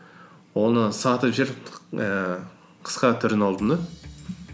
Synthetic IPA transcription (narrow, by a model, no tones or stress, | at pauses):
wo̞nəsɑt̪əpʒeɾə | qʰə̥sqɑt̪ʰʏɾɪnɑlˠd̪ənd̪ə